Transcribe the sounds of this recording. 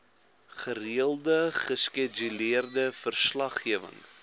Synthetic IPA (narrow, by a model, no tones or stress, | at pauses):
χəriəlˠdəχəskɛd͡ʒyliərdəfərslɐχiəvə̰ŋ